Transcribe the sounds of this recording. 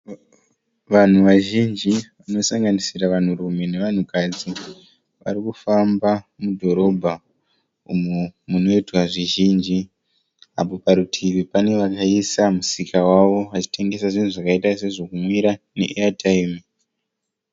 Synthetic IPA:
ʋan̤uʋaʒind͡ʒiʋano̞saŋɡanisiraʋan̤uɾume̞ne̞ʋan̤ukad͡zi | ʋa̰ɾikufambamudʱo̞ɾo̞bʱa | umumuno̞itwaʐiʒiːnd͡ʒi | a̰po̞paɾutʰiʋipane̞ʋakaisamusikʰawaʋo̞ʋat͡ʃi̥te̞ŋɡe̞saʐin̤uʐakaitase̞ʐo̞kumwiɾane̞̰ʔeatʰaimi

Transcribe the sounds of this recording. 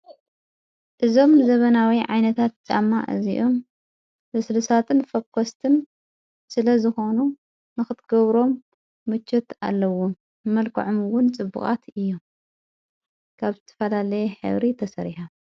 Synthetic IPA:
ʔɨzo̞mzɐβɐnawiʕajnɐt̪ʰat̪̚d̪a̰mːa̰ʔɨ̰ziʔo̞m | bɨslɨsat̪ʰɨnfɐkʰːost̪ʰɨn | sɨlɐzɨxo̞nu | nɨxɨt̪ɡɐβɾo̞mː | ɨt͡ʃʰːɛt̪a̰lːɐwo | mɐlkʰɐ̰ʕomɨwʊnt͡sʼɨbːɨ̰kʼa̰t̪ʰɨjːom | kʰaβzɨt̪ʰɐ̥fɐlalɐjɛħɨ̰βɾit̪ʰɐsɐɾiħa

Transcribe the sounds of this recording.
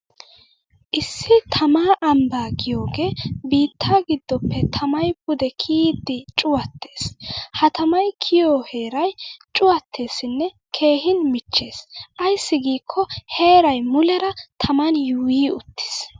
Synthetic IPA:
ʔɪsːɪt̪ʰɐmaːʔɐmbaːɡɪjo̞ːɡe̞ːbiːt̪ʰːaːɡɪd̪ːɔpːɛt̪ʰɐmɐjbʊd̪ɛkʰiːd̪ːɪt͡ʃʼʊwɐt̪ʰːe̞ːshɐt̪ɐmɐjkʰɪjoːheːɾɐjt͡ʃʼʊwɐt̪ʰːe̞ːsɪnːɛ | kʰe̞ːɦɪnmɪt͡ʃːe̞ːsʔɐjsːɪɡiːkʰːɔhe̞ːɾɐjmʊlɛɾɐt̪ʰɐmɐnjuːjiːʊt̪ːɪ̥s

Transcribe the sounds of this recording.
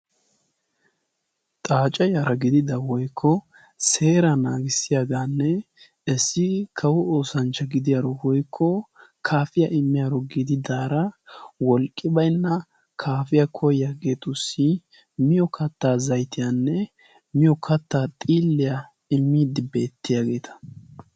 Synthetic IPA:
t̪ʼaːt͡ʃʼɐjaɾɐɡɪd̪ɪd̪ɐwɔjkʰːɔ | se̞ːɾɐnaːɡɪsːɪjaɡaːnːɛ | ɛsːɪkʰɐwʊoːsɐnt͡ʃːɐɡɪd̪ɪjaːɾɔwɔjkʰːɔ | kʰaːfɪjaʔɪmːɪjaɾɔɡɪd̪ɪd̪aːɾɐwɔlkʼːɪbɐjnːɐ | kʰaːfɪjakʰɔjaɡe̞ːt̪ʊsːɪ | mɪjɔkʰɐt̪ːaːzɐjt̪ɪjaːnːɛ | mɪjɔkʰɐt̪ːaːt̪ʼiːlːɪja | ɪmːiːd̪ɪbe̞ːt̪ːɪjaːɡe̞ːt̪ʰɐ̥

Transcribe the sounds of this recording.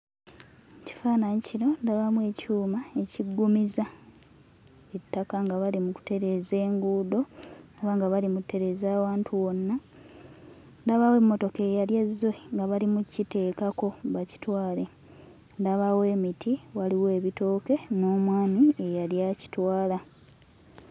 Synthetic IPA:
ci̥faːnaɲiciɾo̞ndaβamwe̞ːcuːmae̞ciɡːumiza | etːakaŋɡaβalimuku̥te̞ɾe̞ze̞ːŋɡuːdo̞ːβaŋɡaβalimutʰːe̞ɾe̞zaːwaːntʰuwo̞nːa | ndaβawe̞mːo̞to̞ke̞ːjaljezːoŋɡaβalimucite̞ːkako̞βaci̥twaːle̞ | ndaβawe̞ːmitʰiwaliwe̞ːβito̞ːke̞noːmwaːniejaljaci̥twaːla

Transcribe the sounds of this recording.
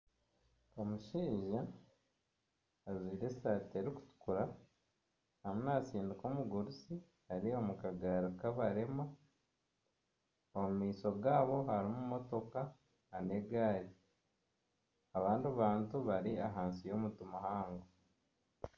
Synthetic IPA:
omuʃiːʒa | ziːɾe̞saːteɾiku̥tu̥kuɾa | hamunasiːndikomuɡuɾusi | haɾiomukaɡaɾukaβaɾema | oumiːso̞ɡaːβo̞haɾimumo̞to̞kaː | neɡaːɾi | aβaːnduβaːntuβaɾiaɦaːnsijo̞mutumahaːŋɡo

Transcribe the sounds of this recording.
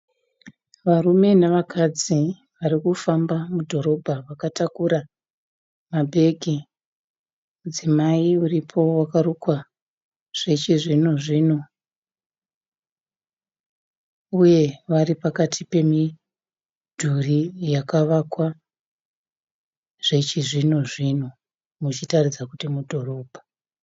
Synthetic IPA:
ʋarume̞naʋakʰad͡zi | ʋaɾikufambamudʱo̞ɾo̞bʱaʋakatakuɾa | mabʱe̞ɡʱi | mud͡zimaiuripʰo̞wakarukwa | ʐ̥et͡ʃiʐinoʐiːno̞ | uje̞ʋaɾipakatʰipe̞mi | dʱurijakaʋakwa | ʐ̥e̞t͡ʃiʐinoʐin̤o | mut͡ʃitarid͡zakutimudʱo̞ro̞ːbʱa

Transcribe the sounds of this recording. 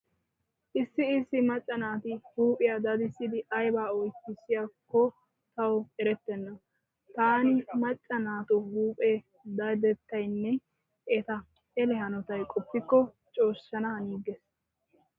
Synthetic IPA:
ʔɪsːɪːsːɪmɐt͡ʃʼːɐnaːt̪ɪhuːpʼɪjad̪ɐd̪ɪsːɪd̪ɪʔɐjbaːɔjkːɪsɪjakːɔ | t̪ɐwɛɾɛt̪ːɛnːɐ | t̪aːnɪmɐt͡ʃʼːɐnaːt̪ʊhuːpʼe | d̪ɐd̪ɛt̪ːɐjnːɛ | ʔɛt̪ɐ | ɛlɛhɐnɔt̪ɐjkʼɔpːɪkːɔ | t͡ʃʼo̞ːʃːɐnɐhɐniːɡes

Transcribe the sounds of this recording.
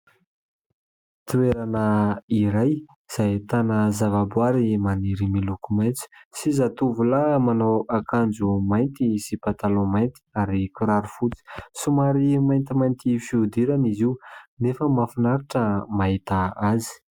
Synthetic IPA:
t̪ueɾanəiɾaj | z̥ajt̪anəzavabwaɾimaniɾimilukumajnt͡si̥sizat̪uvulamanowakʰand͡zumajnt̪isipat̪alomajnt̪i̥aɾikuɾaɾufut͡si̥sumaɾimajnt̪imajnt̪ifiud̪iɾaniziunefəmafinaɾiʈ͡ʂəmaɦit̪aazi̥

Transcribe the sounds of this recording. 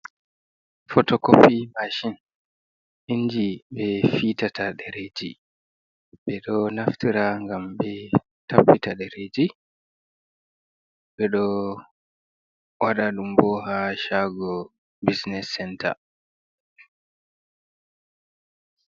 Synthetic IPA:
fɔtɔkopːimaʃin | ind͡ʒiɓɛfitatʰaɗɛɾed͡ʒi | ɓɛɗɔnaftiɾaŋɡambɛ | tʰapːitaɗɛɾed͡ʒi | ɓɛɗɔ | waɗaɗumbɔɦaʃaɡɔ | bisnɛsːɛnta̰

